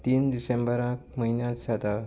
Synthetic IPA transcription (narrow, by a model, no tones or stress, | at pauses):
t̪iːnd̪isẽmbəɾãkməɦinjãt͡ssad̪a